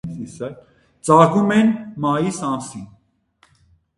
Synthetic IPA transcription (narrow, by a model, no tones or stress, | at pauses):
t͡sɑkumɛnmɑjisɑnsin